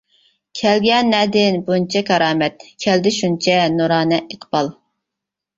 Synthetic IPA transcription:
kʲʰɛlɡʲɛnːɛd̪ɪnbunt͡ʃʰɛkʰɑɾɑːmɛt̪̚kʲʰɛld̪ɪʃunt͡ʃʰɛnuɾɑːnɛeqʰbɑlˠ

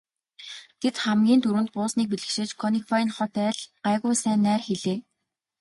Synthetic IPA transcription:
t̪ʰet̪χamɡʲiːnt̪ʰɵɾwɘ̆nt̪̚pʊːsniːk̚piɮɘ̆kʃĕːt͡ɕkʰɔnikfaiːnχɔt̪æːɮɢæɣʊːsæːnːæːrxeɮeː

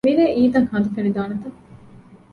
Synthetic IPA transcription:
miɾeːʔiːt̪ɐŋhɐnd̪ufenid̪aːnet̪ɐŋ

